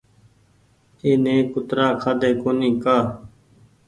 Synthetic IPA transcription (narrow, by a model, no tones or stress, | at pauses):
eːneːkʊt̪ɾaːkʰad̪eːkoːniːkaː